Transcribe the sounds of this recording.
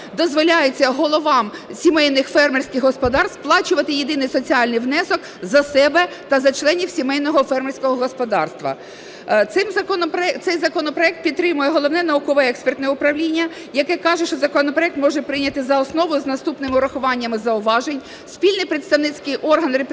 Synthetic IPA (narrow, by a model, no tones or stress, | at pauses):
d̪ɔzʋɔlʲajet͡sʲːɐɦɔlˠɔʋɑmsʲimɛjnɪxfɛrmɛrsʲkɪxɦɔspɔd̪ɑrst̪plˠɑt͡ʃʊʋɐt̪ɪjed̪ɪnɪjsɔt͡sʲiɑlʲnɪjʋnɛsɔk | zɐsɛbɛt̪ɐzɐt͡ʃlˠɛnʲiwsʲimɛjnɔɦɔfɛrmerʲsʲkɔɦɔɦɔspɔd̪ɑ̰rst̪ʋɐ̰ | t̪sɪmzɐkɔnɔpɾɛt̪sɛjzɐkɔnɔpɾɔɛk̚t̪̚pʲid̪̚t̪ːɾɪmʊjɛɦɔlˠɔʋnɛnɐukɔʋɛɛkspɛrt̪nɛɛʊpɾɐʋlʲinʲːɐ | jɐkɛkɑʒɛʃt͡ʃɔzɐkɔnɔpɾɔɛk̚t̪mɔʒɛpɾɪjnʲɐt̪ɪzɐɔsnɔʋʊjʊznɐst̪upnɪmɪʊɾɐxʊʋɑnʲːɐmɪzɐʊʋɑʒenʲ | sʲpʲilʲnɪjpɾɪt̪st̪ɐwnɪt͡sʲkɪjʔɔrɦɐnrep